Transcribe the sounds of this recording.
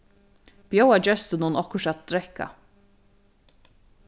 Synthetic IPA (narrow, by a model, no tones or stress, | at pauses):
b̥jowad͡ʒœst̪ənunɔhkʊʃat̪̚ːɾɛhka̰